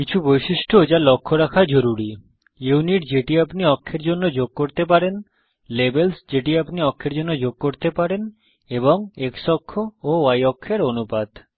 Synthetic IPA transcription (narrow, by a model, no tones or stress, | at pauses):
kit͡ɕʰubojʃiʃʈood͡ʑalɔkʰːoɾakʰad͡ʑoɾuɾi | ewniʈd͡ʑeʈiapniɔkʰːeɾd͡ʑonːod͡ʑoɡ̚koɾt̪ep̬aɾen | lebelsd͡ʑeʈiapniɔkʰːeɾd͡ʑonːod͡ʑoɡ̚koɾt̪epaɾen | eboŋeksɔkʰːooajɔkʰːeɾonupad̪